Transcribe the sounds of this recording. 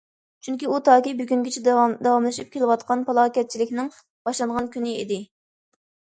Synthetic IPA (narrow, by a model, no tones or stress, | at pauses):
t͡ʃʰyŋkʲiut̪ʰɑːkʲibyɡʲyŋɡʲet͡ʃʰɛd̪ɑwɑmlˠɨʃip̚kʲʰelɪwɑt̪qɑnpɑlˠɑːkʲɛt̪̚t͡ʃʰilɪkʲnɪŋ | b̥ɑʃlˠɑɴʁɑnkʲʰynɪid̪ɪ